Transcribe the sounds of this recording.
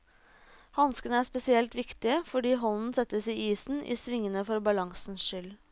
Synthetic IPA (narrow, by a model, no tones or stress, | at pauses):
hɑnskənəæːʂpɛsɪɛlt̪ʋɪkt̪ɪəfɔɖiːɦɔnn̩sɛt̪ːəsiːiːsn̩ʔḭːsʋɪŋːənəfɔɾbɑlɑŋsn̩ʃʏl